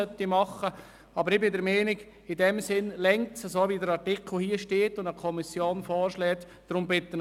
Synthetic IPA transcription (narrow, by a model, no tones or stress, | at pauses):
œtimɑχə | ɑbəɾɪbɪdəɾmɛːnɪɡ | ɪdɛmsɪnlɛŋ̚tsəsoːʋidəɾɑɾtɪkʰl̩hiːəʃteːtʊndəkʰɔmisjoːnfɔːɾʃlɛːt̪ | d̥ɾʊmbɪt̪ːən